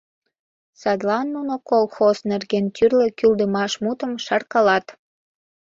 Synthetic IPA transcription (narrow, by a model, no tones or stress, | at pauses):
sɑd̪lɑnːunokolxosnerɣent̪yrlə̆kyld̪əmɑʃmut̪əmʃɑrkɑlɑt̪